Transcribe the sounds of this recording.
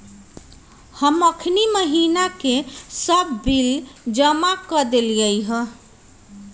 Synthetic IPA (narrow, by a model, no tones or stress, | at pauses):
həməkʰniməɦinakesəbːild͡ʒəmakəd̪elɡəjɦə